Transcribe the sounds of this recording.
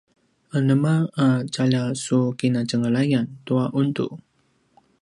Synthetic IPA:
ʔənəmaat͡ʃalasukinat͡ʃəŋəlajant̪uaʔunt̪ṵʔ

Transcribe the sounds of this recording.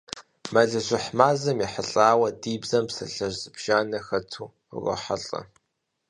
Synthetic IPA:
mɐɮɨʒʷɪħmaːzɐmiħəɬʼaːwɐdiːbzɐmpsɐ̰ɬɐʒʼbʒ̥aːnɐxɐtʰṵː | rʷɐ̰ħaɬʼɐ̰

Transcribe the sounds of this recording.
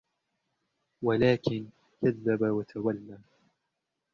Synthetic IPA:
walaːkɪn | kaðːabawat̪ʰawalːaː

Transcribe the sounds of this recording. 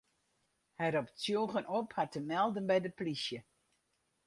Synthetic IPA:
hɛɾɔpt͡sjoːɣənɔphatəmɛlˠdənbɛjdəplisjə

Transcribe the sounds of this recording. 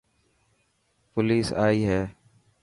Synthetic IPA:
pʊliːsaːiːɦɛː

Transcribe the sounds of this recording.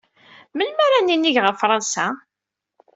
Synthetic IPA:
məlmæɾæninːiʝʁəɾfɾˤɑnsa

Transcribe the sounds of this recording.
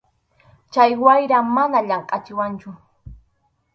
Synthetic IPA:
t͡ʃajwajɾamanaʎɑɴqʼɑt͡ʃɪwant͡ʃʊ

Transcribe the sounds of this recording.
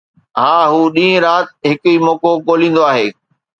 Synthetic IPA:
ɦãːɦuːɗĩːə̃ɾaːt̪ɦɪkʊiːmɔːkokoːlĩːn̆d̪oaːɦeː

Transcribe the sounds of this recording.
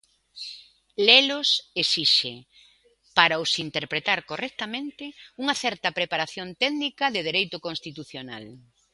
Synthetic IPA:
lelʊsesiʃe | paɾɐosint̪eɾpɾet̪aɾkorʔɛk̚t̪ɐmẽnt̪ɪuŋɐθɛɾt̪ɐpɾepaɾaθjont̪ɛðnikɐðɪð̞eɾejt̪ʊkõnst̪it̪uθjona̰l

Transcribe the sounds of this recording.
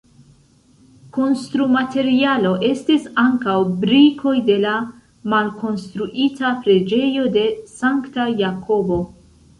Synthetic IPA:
ko̞nstɾumate̞ɾialo̞ʔe̞stisaŋkawbɾikʰo̞jde̞la | malko̞nstɾuʔitapɾe̞d͡ʒe̞jo̞de̞saŋktajakʰo̞bo̞

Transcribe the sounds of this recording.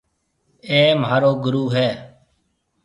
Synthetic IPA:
eːmɦaːɾoːɡʊɾuːɦɛː

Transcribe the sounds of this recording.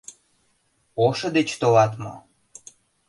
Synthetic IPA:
oʃɤ̆d̪et͡ɕt̪olɑt̪mo̰

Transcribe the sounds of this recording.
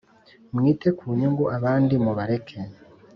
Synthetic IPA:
mŋiːte̞kʰuːɲuŋɡuʔaβaːndimuβaɾe̞kʰe

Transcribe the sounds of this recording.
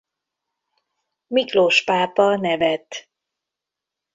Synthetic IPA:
mikloʃpaːpɒnɛvɛt̪

